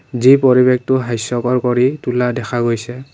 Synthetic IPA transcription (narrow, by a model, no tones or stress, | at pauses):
zipɔɹibek̚tʊɦajsɔkɔɹkɔɹituladɛxʰaɡojsɛ